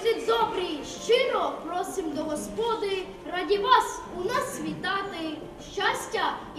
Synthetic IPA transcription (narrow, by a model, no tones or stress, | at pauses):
d̪ʲid̪ʲzɔbɾiʃt͡ʃɪnɔpɾɔsʲimd̪ɔɦɔspɔd̪ɪ | rɑdʲiʋɑsunɑsʋʲit̪ɑt̪ɪ | ʃt͡ʃasʲtʲɐ